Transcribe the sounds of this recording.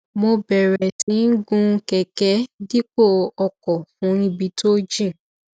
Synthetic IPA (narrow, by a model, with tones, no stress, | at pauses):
mo˧bɛ˨ɾɛ˨tĩ˨˦n̩˦ɡũ˦kɛ˨kɛ˦di˦k͡po˦˨ɔ˧kɔ˨fũ˨˦ɾ̃ĩ˧bi˧˦tʰo˦d͡ʒĩ˦˨